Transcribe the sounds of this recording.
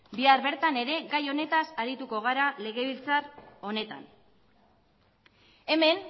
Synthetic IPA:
biaɾβe̞ɾt̪ane̞ɾe̞ɣajo̞ne̞t̪asaɾit̪uko̞ɣ̞aɾale̞ɣe̞βilt͡saro̞ne̞t̪a̰n | e̞me̞n

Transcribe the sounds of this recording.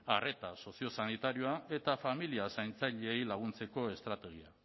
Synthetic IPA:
are̞t̪aso̞sio̞sanit̪aɾio̞ae̞t̪afamiliasajnt͡saʎeejlaɣ̞unt͡se̞ko̞e̞st̪ɾat̪e̞ɣ̞ia̰

